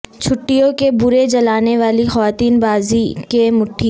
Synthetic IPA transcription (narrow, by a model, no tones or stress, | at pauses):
t͡ʃʰʊʈːijõkebʊɾed͡ʒɐlaːneʋaːlixɐʋaːt̪iːnbaːzikemʊʈʰːi